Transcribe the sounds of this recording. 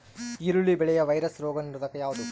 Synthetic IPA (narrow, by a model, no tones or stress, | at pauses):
iɾuɭibɛɭɛjɐʋɐjɾɐsɾoːɡɐniɾud̪ɐkːɐjaːʋud̪u